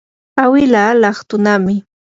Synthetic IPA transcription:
awɪlaːlɑχt̪ʊnamɪ

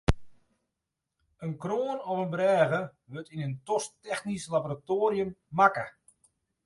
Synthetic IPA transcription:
ənkroːnɔfənbrɛːɣəʋøtinəntɔstɛxnislaboɾatoːɾjəmːakə̰

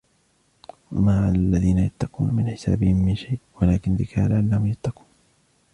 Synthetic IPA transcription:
wa̰maʕalːaðiːnajat̪ːɑquːnmɪnħɪsa̰ːbɪhɪmːɪnʃajʔwalaːkɪnd̪ɪkʰaːlaʔanːahʊmjat̪ːɑquːn

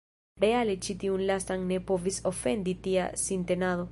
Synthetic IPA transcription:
ɾealet͡ʃit̪iunlasaŋnepovisofend̪it̪ia̰sint̪enaðo

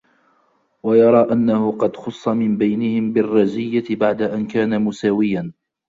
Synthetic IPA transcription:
wajɑɾˤɑːʔanːahʊqɑd̪xʊsˤːɑmɪmbajnɪhɪmbɪrˤːɑzɪjːabaʕd̪aʔankaːnamʊsaːwɪjan

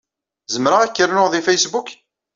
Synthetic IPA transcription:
zəmɾaʁækːəɾnʊʁðifejsbuk

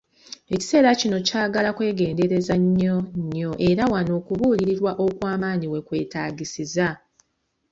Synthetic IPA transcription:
e̞ci̥se̞ːɾacino̞caːɡalakwe̞ːɡe̞ːnde̞ɾe̞zaɲːoɲːo̞ʔe̞ɾawano̞ːkuβuːliɾiɾwaʔo̞kwaːmaːniwe̞kwe̞ːtaːɟisiza

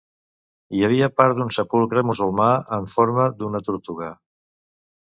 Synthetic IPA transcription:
iəβ̞iəpaɾd̪unsəpulˠkɾəmuzulˠmaəɱfoɾməd̪unət̪uɾt̪uɣə

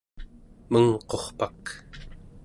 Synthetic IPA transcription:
məŋqo̞χpak

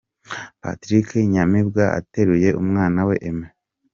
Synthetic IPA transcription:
pa̰tɾikʰeɲamib̚ɡaʔa̰te̞ɾuje̞ʔumŋaːnawe̞ʔeme

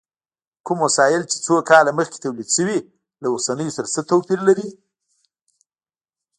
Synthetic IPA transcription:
kumwasɑjɪlt͡ʃe̥t͡sokɑlaməxke̥t̪awlid̪ʃəwi | laosanəjosaɾat͡sət̪awpiɾlaɾi

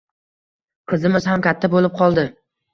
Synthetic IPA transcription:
qʰɨzɪmɪz̥hamkʲat̪ʰːabolɪp̚qʰɒlˠd̪ɪ

